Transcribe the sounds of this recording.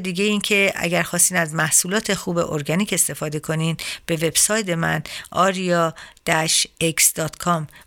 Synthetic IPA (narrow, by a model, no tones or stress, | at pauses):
d̪iːɡe̞iːncʰe̞æ̰ɟæɾxɒːst̪iːnæzmæhsuːlɒːt̪ʰe̞xuːbe̞̰ʔoɾɡæniːkʰe̞st̪e̞fɒːd̪e̞kʰo̞niːnb̥e̞ve̞b̥sɒːjd̪e̞mæ̰nʔɒːɾijɒd̪̥æʃeksd̪ɒːt̪kʰɒm